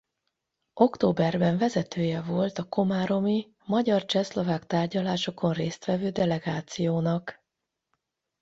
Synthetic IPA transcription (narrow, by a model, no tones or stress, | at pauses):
ʔo̞kt̪oːbɛrbɛɱvɛzɛt̪ʰøːjɛvo̞lt̪ɒko̞maːɾo̞mi | mɒɟɒrt͡ʃɛslo̞vaːkt̪aːrɟɒlaːʃo̞ko̞nreːst̪ʋɛvøːd̪ɛlɛɡaːt̪sijoːnɒk